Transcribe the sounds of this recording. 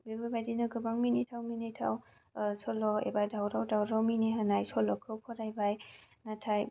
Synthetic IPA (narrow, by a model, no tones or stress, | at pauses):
bibɯbajdinɯɡɯbaŋminitʰawminitʰa̰w | sɔlɔḛbadawɾawdawɾawminiɦanajsɔlɔkʰɯwpʰɔɾajbajnatʰaj